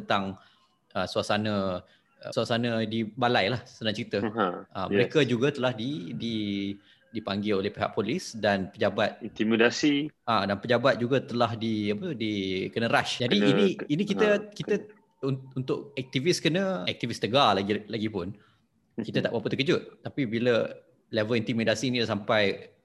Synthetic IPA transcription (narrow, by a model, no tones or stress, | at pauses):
ənt̪aŋ | əsuasanə̃ | əsuasanə̃dibalajlahsənaŋt͡ʃəɾit̪əəməɾekəd͡ʒuɡat̪əlahdidi | dipaŋɡɪlolehpeɦa̰ʔ̚polɪsdanpəd͡ʒabat̪̚it̪imidasiʔadanpəd͡ʒabat̪̚d͡ʒuɡat̪əlahdiapət̪udikənəɾaʃd͡ʒadiːniːnikit̪əkit̪ə | ununt̪ʊʔɛk̚t̪iviskənə̃ɛk̚t̪ivist̪əɡalaɡlaɡipʊn | kit̪ət̪a̰ʔbapət̪əkəd͡ʒʊt̪̚t̪ːapibilə | lɛvəlint̪imidasiːnilasampaj